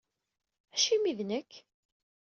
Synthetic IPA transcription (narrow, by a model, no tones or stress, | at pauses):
æʃimiðnəkː